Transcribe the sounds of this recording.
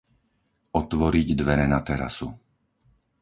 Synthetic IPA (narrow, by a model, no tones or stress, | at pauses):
ɔt̪ʋɔɾiɟd̪ʋɛɾɛnat̪ɛɾa̰su